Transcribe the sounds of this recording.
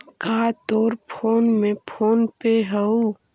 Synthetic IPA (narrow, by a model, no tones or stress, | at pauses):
kaːt̪oːɾpʰoːnmẽpʰoːnpeɦəo